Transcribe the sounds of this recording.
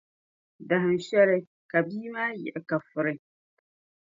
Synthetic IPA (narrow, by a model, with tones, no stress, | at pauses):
da˨ɦɪ˨n̩˨ʃɛ˦ɾɪ˦ | ka˨biː˦maː˦jɛ̰˨ʔɪ˨ka˨fʊ˨ɾɪ˦